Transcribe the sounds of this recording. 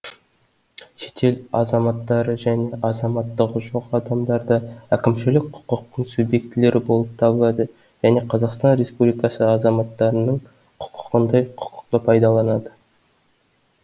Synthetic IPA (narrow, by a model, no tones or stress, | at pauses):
ʃe̞̥t̪ʰe̞lɑzɑmɑt̪ːɑɾəʒæne̞ʔɑzɑmɑt̪ːəqəʒoqɑd̪ɑmd̪ɑɾd̪əækʲɪmʃɪlɪk̚qʰʊ̥qəq̚t̪əɴsubje̞kt̪ɪle̞ɾɪbo̞lˠəp̚t̪ʰɑbəlˠɑd̪ə | ʒ̥æne̞qʰɑzɑqst̪ɑnɾe̞spublʲijkɑsəɑzɑmɑt̪ːɑɾənəɴ | qʰʊ̥qʰə̥qənd̪ɑjqʰʊ̥qə̥q̚t̪əpʰɑjd̪ɑlˠɑnɑd̪ə